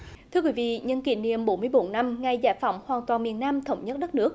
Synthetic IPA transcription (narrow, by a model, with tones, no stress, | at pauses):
t̪ʰɨ˧əkwi˨˦vḭ˧˨ɲə˧nkḭ˧˩nḭ˧˨əmɓo˨˦nmɨ˧əjɓo˨˦nːa˧mŋa˨˧˩jzaː˧˩jfa˧˩˦wŋ͡mhwaː˨˩nt̪waː˨˩nmi˨˩ənːaː˧mt̪ʰə˧˩wŋ͡mɲə˦˥t̚ɗə˦˥t̚nɨ˦˥ək̚